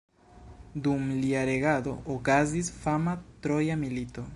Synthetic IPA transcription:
dumliaɾe̞ɣado̞̰ʔokazisfamat̪ɾo̞jamilito̞

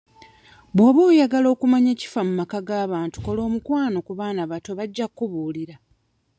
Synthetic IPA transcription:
bwoβuːjaɡalo̞ːkumaɲe̞ːci̥famumakaɡaːβaːntu̥ko̞lo̞ːmukwaːno̞kuβaːnaβato̞βaɟːakːuβuːliɾa

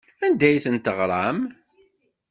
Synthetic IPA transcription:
ænd̪æjθənt̪əʁɾˤɑm

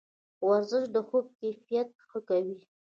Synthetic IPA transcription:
waɾzəʃd̪əxob̚kajfijat̪̚xəkawi

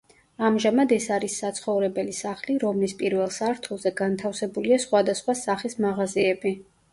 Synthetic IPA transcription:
amʒamad̪ɛsaɾisːat̪sʰχɔvɾɛbɛlisaχliɾɔmlispʼiɾvɛlˠsaɾt̪ʰulˠzɛɡant̪ʰafsɛbuliasχwad̪asχwasaχismaʁaziɛbi

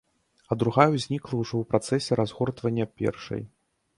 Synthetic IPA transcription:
ɐd̪ɾuɣajuzʲnʲiklˠɐwʐɔwpɾat̪sɛsʲɛɾazɣɔrt̪vɐnʲːɐpʲɛ̰rʂɐ̰j

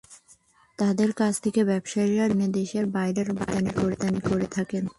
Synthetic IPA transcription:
t̪ad̪eɾkat͡ɕʰt̪ʰekebɛbʃaiɾaɾned̪eʃeɾbajɾeɾba̰d̪anikoɾet̪anikoɾet̪ʰaken

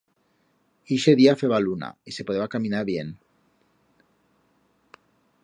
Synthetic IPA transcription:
iʃeðiafeβaluna̰isepoðeakamĩnaɾβje̞n

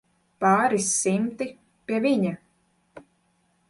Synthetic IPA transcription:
paːɾisːimt̪i | pʲiɛvʲiɲa

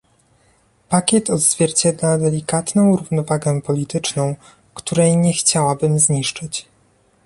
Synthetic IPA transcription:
pakʲjɛt̪ɔd̪z̥vʲjɛɾt͡ɕɛd̪lad̪ɛlʲikat̪nɔ̃w̃ɾuvnɔvaɡɛpɔlʲit̪ɘt͡ʂnɔ̃w̃ | kt̪uɾɛjɲɛxt͡ɕawabɘmzɲiʂt͡ʂɘt͡ɕ

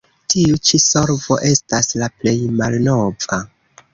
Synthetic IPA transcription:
tiut͡ʃiso̞ɾvo̞̰ʔe̞staslaple̞jmalno̞va

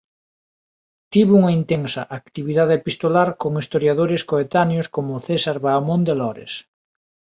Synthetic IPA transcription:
t̪iβuŋaint̪eŋsɐʔakt̪iβiðaðeepist̪olaɾkoŋist̪oɾjaðoɾeskoet̪anjoskomʊθesaɾβamond̪elɔɾḛs

